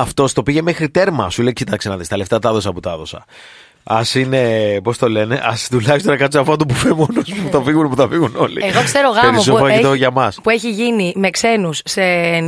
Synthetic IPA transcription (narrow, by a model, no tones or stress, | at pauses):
ɐft̪o̞st̪o̞piʝe̞mexɾit̪e̞ɾmɐsulecit̪ɐksenɐðist̪ɐle̞ft̪ɐt̪ɐðo̞sɐput̪ɐðo̞sɐ̰ | ɐsine̞po̞st̪o̞le̞ne̞ʔɐst̪ulɐçist̪onɐkɐt̪sɐpoɐt̪upufemonosput̪ɐfiɣunpuθɐfiɣuno̞lḭeɣokse̞ɾoɣɐemosofɐit̪oʝɐmɐspueçiʝinime̞kse̞nusːe